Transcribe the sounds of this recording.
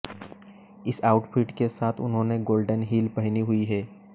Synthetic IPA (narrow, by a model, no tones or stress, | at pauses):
ɪsaːʊʈpʰɪʈkesaːt̪ʰʊ̰nɦõːneɡoːlɖənɦiːlpɐɦniɦʊiɦɛː